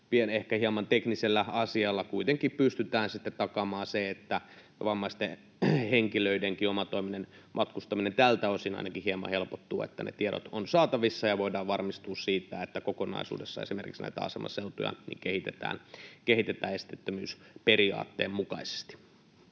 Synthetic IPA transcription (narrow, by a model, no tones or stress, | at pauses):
pienehkæhiemɑnt̪ekniselːæɑsiɑlːɑkuit̪eŋkippyst̪yt̪æːnsit̪ːett̪ɑkɑmɑːseet̪ːæ | ʋɑmːɑist̪e | heŋkiløideŋkiomɑt̪oiminen | mʔɑt̪kust̪ɑminent̪ælt̪æosinɑ̰inɑkihiemːɑ̰helpot̪ːṵːḛt̪ːænḛt̪ieɾo̰t̪onsɑːt̪ɑʋisːɑjɑʋoidɑːʋʋɑrmist̪uːssiːt̪æet̪ːækokonɑ̰isṵːdesːɑ̰esimerkiksnæ̰it̪æ̰ɑ̰sḛmʔɑ̰selt̪ojɑ̰nḭŋkehit̪et̪æ̰ːnkehit̪et̪æːest̪et̪ːømy̰ːspeɾiɑ̰ːt̪ːḛːmmukɑise̥st̪i̥